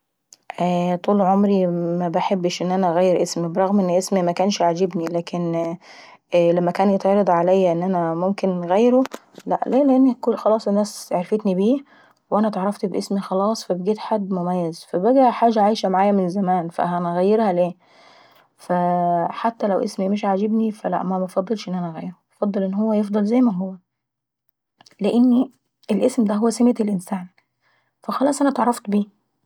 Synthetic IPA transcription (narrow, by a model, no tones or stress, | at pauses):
ʔæːt̪ˤuːlʕomɾimæbaħebːʃʔenːʔænæʔɣæjːeɾʔesmibeɾˤɑɣmʔenːʔesmimækæːnʃaʕd͡ʒebnilæːken | læmːækæːnjet̪ʕɑɾˤɑd̪ˤʕalæjːæʔenːʔænæmomkenɣæjːɾo | læʔleːleʔenːikoxɑlɑːsˤenːæːseʕɾfet̪nibiː | weʔænæt̪eʕɾˤɑft̪bʔesmixɑlɑːsˤfæbeɡiːt̪ħad̪ːmomæjːæzfæbæɡæʔħaːʒæʕajʃæmaʕaːjæmenzæmæːnfæ̰ɦænɣæjːeɾhæleː | fæħat̪ːælæwʔesmimeʃʕad͡ʒebnifælæ̰ʔmæmæfɑd̪ˤːelʃʔenːʔænæʔɣæjːeɾhuɑfɑd̪ˤːɑlʔenːhowːæjefd̪ˤɑlzæjmæɦowːæ | leʔenːi | ʔelʔesmd̪æɦowːæsemet̪elʔensæːn | fæxɑlˤɑːsˤʔænæt̪eʕɑɾˤːɑft̪biː